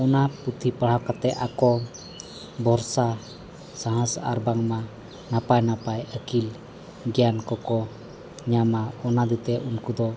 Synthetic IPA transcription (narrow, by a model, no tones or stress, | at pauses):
ɔnaput̪ʰipaɽ̤awkat̪ɛʔakɔ | bʱɔɾsa | saɦə̃sa̰ɾbaŋma | napajnapajəkil | ɡɛjankɔkɔ | ɲamaɔnad̪it̪ɛʔunkud̪ɔ